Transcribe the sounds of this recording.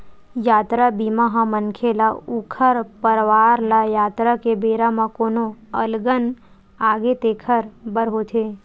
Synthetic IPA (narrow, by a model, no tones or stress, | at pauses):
jaːt̪ɾabimãɦãmənkʰelaukʰəɾpəɾʋaːɾlajaːt̪ɾakebeɾamãkoːnoəlɡən | aːɡet̪ekʰəɾbəɾɦot̪ʰe